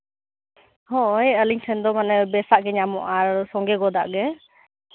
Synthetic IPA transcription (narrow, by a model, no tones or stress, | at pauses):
hɔ̃ʔɛəliɲsʰɛnd̪ɔmanɛbɛsaʔɡɛɲamɔ̰ʔaɾsɔ̃ŋɡɛɡɔd̪a̰ʔɡɛ